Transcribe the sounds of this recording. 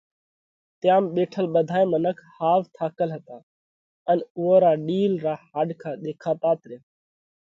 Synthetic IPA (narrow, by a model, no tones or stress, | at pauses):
t̪jaːmɓeːʈʰəlɓəd̪ʱaːemənəkʰhaːʋt̪ʰaːkəlɦət̪aː | ənʊʋoːɾaːɖiːlɾaːhaːɖkʰaːɗ̪eːkʰaːpaːt̪ɾeː